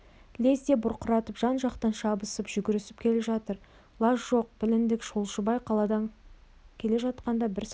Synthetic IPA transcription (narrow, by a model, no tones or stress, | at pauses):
lʲe̞zd̪e̞bʊɾqʰʊɾɑt̪əpʒɑnʒɑqt̪ɑnʃɑbəsəpʒ̥ʏɡʲɪɾɪsɪp̚kʲʰe̞leʒɑt̪əɾ | lˠɑʃʒo̞q̚bɪlɪnd̪ɪkʃulˠʃəbɑjqʰɑlˠɑd̪ɑŋ | kʲʰe̞le̞ʒɑt̪̚qɑnd̪ɑbɪɾs